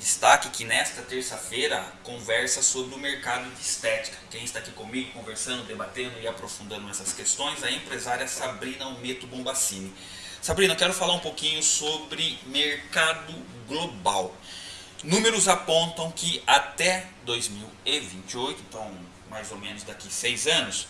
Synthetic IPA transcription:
d̪ɪst̪a̰kɪkɪnɛst̪ɐt̪eɾsɐfejɾɐkõvɛɾsɐsobɾɪʊmeɾkad̪ʊd͡ʒɪist̪ɛt͡ʃi̥kɐ̥kẽj̃ɪst̪aːkikõmiɡʊkõveɾsɐ̃nd̪ʊd̪ebat̪ẽnd̪ʊɪapɾofũnd̪ɐ̃nd̪ʊɛsɐskest̪õj̃zɐẽmpɾezaɾiɐsabɾĩnɐʊmet̪ʊbõbasĩnɪ | sabɾĩnɐkɛɾʊfalaɾũpokĩɲʊsobɾɪmeɾkad̪ʊ | ɡlobaw | nũmeɾʊzapõnt̪ɐ̃w̃kɪat̪ɛd̪ojzmiwevĩnt͡ʃɪojt̪ʊẽnt̪ɐ̃w̃ | majzomẽnʊzd̪akisejzɐ̃nʊs

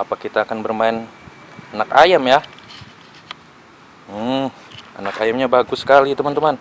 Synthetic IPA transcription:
apakit̪aːkanbərmaɪn | anakajamja | m̩ | a̰nakajamɲabaɡʊsːə̥kalit̪əmant̪əman

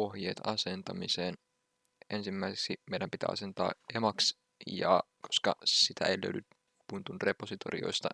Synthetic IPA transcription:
o̞hjeːt̪ɑse̞nt̪ɑmiseːn | ʔe̞nsimːæiseksimeidæmpit̪æ̰ːɑ̰se̞nt̪ɑ̰ːemɑks | jɑ̰kʰo̥skɑsit̪æeiløydyt̪ | punt̪unrepo̞sit̪o̞̰rḭo̞̰ist̪ɑ̰

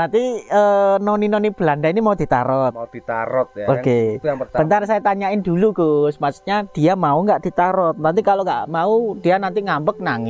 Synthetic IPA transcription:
nant̪iənoninonib̥əlandainimaud̪̥i̤t̪a̰ɾɔt̪̚ud̪̥it̪a̰ɾɔt̪̚oɡep̪bənt̪arsajat̪aɲaɪnd̪̥uluɡosmasu̥k̚ɲad̥iamauŋɡaʔd̪̥i̤t̪aɾɔt̪̚nant̪ikaloŋɡa̰ʔmaud̪̥ianant̪iŋambək̚naŋɪ

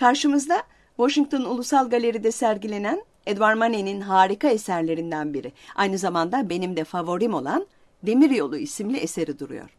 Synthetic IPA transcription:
kʰaɾʃɯmɯzd̪a | voʃiŋk̚t̪ʰo̞nulˠusalˠɡalʲe̞ɾid̪ɛsæɾɟilʲe̞næn | ed̪vaɾmaneninɦaːɾikae̞sæɾlʲe̞ɾind̪ænbiɾiajnɯzamand̪abe̞nimd̪ɛfavo̞ɾimo̞lˠan | d̪e̞miɾjo̞lˠuisimlʲiʔese̞ɾid̪uɾṵjo̰ɾ̥

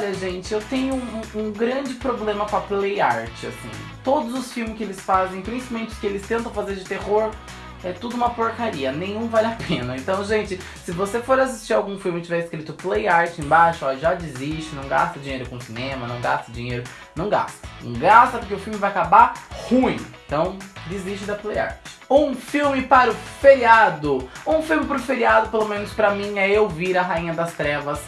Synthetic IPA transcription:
ɔʎɐʒẽnt͡ʃɪewt̪ẽɲʊ̃ũɡɾɐ̃d͡ʒɪpɾoblẽmɐkõɐplejaɾt͡ʃɪasḭ̃t̪od̪ʊzʊsfiwmɪskɪelɪsfazẽj̃pɾĩsi̥pamẽnt͡ʃɪ̥kɪelɪst̪ẽnt̪ɐ̃w̃fazeɾd͡ʒɪt̪ehoɾ | ɛt̪ud̪ʊũmɐpoɾkaɾiɐnẽj̃ũvalapʰẽnɐẽnt̪ɐ̃w̃ʒẽnt͡ʃɪ | sɪvosefoɾasist͡ʃiɾawɡũfiwmɪt͡ʃɪvɛɾɪskɾit̪ʊplejaɾt͡ʃɪẽj̃bajʃʊɔʎʒad͡ʒɪzist͡ʃɪnɐ̃w̃ɡa̰st̪ɐd͡ʒiɲejɾʊkõʊsinẽmɐnɐ̃w̃ɡast̪ɐd͡ʒiɲejɾʊ | nɐ̃w̃ɡa̰st̪ɐnɐ̰̃w̃ɡast̪ɐpʊɾkeʊfiwmɪvajakabaɾhũĩt̪ɐ̃w̃d͡ʒɪzist͡ʃɪd̪ɐpleja̰ɾt͡ʃɪ̥ũfiwmɪpaɾʊfeɾiad̪ʊũfiwmɪpaɾʊfeɾiad̪ʊpelomẽnʊspɾɐmĩɛewviɾɐɦaĩɲɐd̪ɐst̪ɾɛvɐs

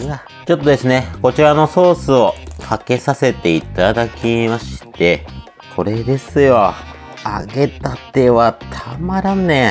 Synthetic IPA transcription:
ɯa | t͡ɕo̞t̪ːo̞d̪e̞sɨne̞ko̞t͡ɕiɾano̞so̞ːsɨo̞kʰake̞sase̞t̪e̞it̪ad̪akʲimaɕi̥t̪e̞ | kʰo̞ɾe̞d̪e̞sɨjo̞ | a̰ɡe̞t̪at̪ːe̞βat̪ʰamaɾãnːẽ

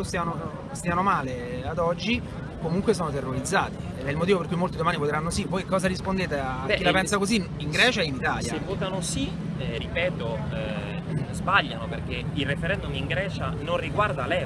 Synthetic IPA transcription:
ost̪iano | st̪ianomaːlead̪ɔd͡ʒːi | komuŋkwes̬ɔːnot̪erːoɾid̪zːaːt̪i | ed̪ɛilmot̪iːvoperkujmolt̪id̪omaːnivot̪eɾanːosivɔjkɔːzaɾispond̪eːt̪eabɛkːilapɛnsakozi | iŋɡɾɛːt͡ʃaeinit̪a̰ːljaevːoːt̪anosi | ripɛːt̪o | zbaʎːanoperk̟eirefeɾɛnd̪umiŋɡɾɛːt͡ʃanonriɡward̪alɛː

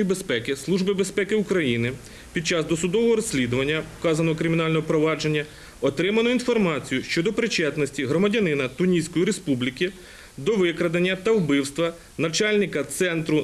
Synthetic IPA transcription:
jibe̞spɛkɪslˠuʒbɪbespɛkɪukɾɐjinɪ | pʲid̪̚t͡ʃɑzd̪ɔsʊd̪ɔʋɔɦɔɾɔsʲːlʲid̪ʊʋɐnʲːɐkɑzɐnɔɦɔkɾɪmʲinɑlʲnɔɦɔpɾɔʋɑd͡ʒe̞nʲːɐ | ɔt̪ɾɪmɐnɔinfɔrmɑt͡sʲijʊʃt͡ʃɔd̪ɔpɾɪt͡ʃɛt̪nɔsʲtʲiɦɾɔmɐdʲɐnɪnɐt̪ʊnʲisʲkɔjiɾespublʲikʲi | d̪ɔʋɪkɾɐd̪ɐnʲːɐt̪ɐwbɪwst̪ʋɐ | nɐt͡ʃɑlʲnʲɪkɐt̪sɛnt̪ɾʊ

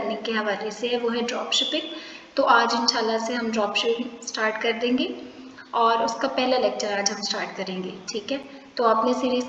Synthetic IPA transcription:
ɾnekeɦɐʋaːleseɦɛʋoɦɛɖɾɔːpʃɪpɪ̃ŋɡ | t̪oʔaːd͡ʒɪnʃaːlːaseɦɐmɖɾɔːpʃɪpɪ̃ŋsʈaːɾʈkɐɾd̪ẽːŋɡe | ɔːɾʊskapɛɦlaleːk̚t͡ʃəɾaːd͡ʒɦɐmsʈaːɾʈkɐɾẽːŋɡeːʈʰiːkɦɛː | t̪oɐːpnesiːɾiːz

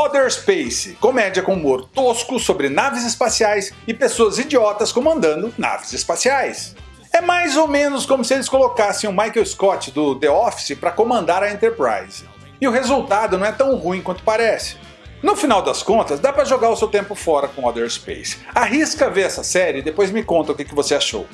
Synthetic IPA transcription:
ɔd̪eɾspejsɪkomɛd͡ʒiɐkõmoɾt̪oskʊsobɾɪnavɪzɪspasiajsɪpesoɐzid͡ʒiɔt̪ɐskõmɐ̃nd̪ɐ̃nd̪ʊna̰vɪzɪspasiajs | ɛmajzowmẽnʊskõmʊsɪelɪskolokasẽj̃ʊ̃majkewɪskɔt͡ʃɪd̪ʊd̪eɔfsɪpɾɐkomɐ̃nd̪aɾɐẽnt̪eɾpɾa̰jzɪ | ɪʊhezuwt̪ad̪ʊnɐ̃w̃ɛt̪ɐ̃w̃hũĩkwɐ̃nt̪ʊ̥paɾɛsɪ̥ | nʊfinawd̪ɐskõnt̪ɐzd̪apɾɐʒoɡaɾʊsewt̪ẽmpʊfɔɾɐkõad̪eɾspḛjsaɦiskɐveɾɛsɐsɛɾɪd̪epojzmɪkõnt̪ɐʊkɪkɪvoseaʃo̰w

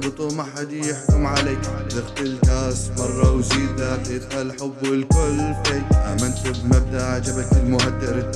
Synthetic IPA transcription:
bɨt̪ˤuːmʔaħad̪ijɪħkʊmʕaleːkd̪ɪxt̪ɪlkaːsmɑrˤːɑwziːd̪aɪt̪xalħʊbːɪlkʊlfeːlamɪnt̪ɪbmab̚d̪aʔʕad͡ʒabalt̪ɪlmʊhad̪ːɪɾ

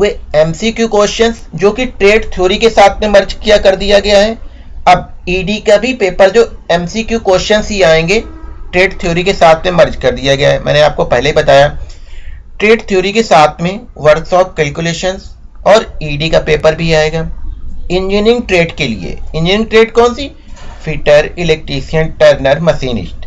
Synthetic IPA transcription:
ɦʊeɛmsikjukoːʃənzd͡ʒoːkiʈɾeːɖt̪ʰijoːɾikesaːt̪ʰmẽmɐɾd͡ʒkijakɐɾd̪ijaɡɐjaɦɛː | ɐb̚iːɖikabʱipeːpəɾd͡ʒoːɛmsikjukoːʃənzɦiaːẽːŋɡeːʈɾeːɖt̪ʰijoːɾikesaːt̪ʰmẽmɐɾd͡ʒkɐɾd̪ijaɡɐja̰ɦɛmʔɛ̰ːneaːp̚kopɛɦleɦibɐt̪aːja | ʈɾeːɖt̪ʰijoːɾikesaːt̪ʰmẽ | ʋɐɾksɔːp̚kɛːlkjuleːʃənz | ɔːɾiːɖikapeːpəɾbʱiaːeːɡaːɪ̃ɲd͡ʒinɪ̃ŋɡ̚ʈɾeːɖkelḭḛɪ̃nɲd͡ʒinɪ̃ŋɡʈɾeːɖkɔːnsi | fiːʈəɾɪlɛːk̚ʈɾiːʃijənʈəɾnəɾmɐsiːnɪ̰ʃʈ

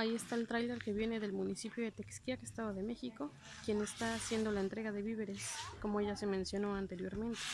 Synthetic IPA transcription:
aie̞st̪aelt̪ɾajleɾke̞βje̞ne̞ðe̞lmũnisipjo̞ðet̪eksk̪iakest̪aðoðe̞me̞xiko̞ | kje̞ne̞st̪aːsje̞nd̪o̞laent̪ɾe̞ɣaðe̞βiβe̞ɾe̞sko̞moeʝase̞mẽnsjo̞no̞ant̪e̞ɾjo̞ɾmẽ̞nt̪e

